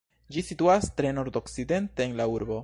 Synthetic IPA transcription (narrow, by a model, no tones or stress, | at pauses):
d͡ʒisituastɾe̞no̞ɾdo̞kside̞nte̞ːnlauɾbo̞